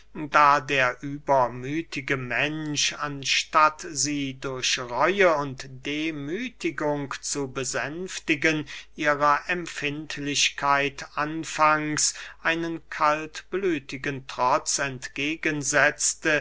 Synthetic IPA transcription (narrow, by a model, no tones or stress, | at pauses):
daːdeːɐʔyːbɐmyːtʰɪɡəmɛnʃanʃtatziːdʊɐɕʁɔʏəʊntd̥eːmyːtʰɪɡʊŋkt͡subəzɛmftɪɡənʔiːʁɐʔɛmfɪntʰlɪɕkʰaɪtʔanfaŋsʔaɪnənkʰaltb̥lyːtɪɡəntʁ̥ɔt͡sɛntɡ̥eːɡənzɛt͡stə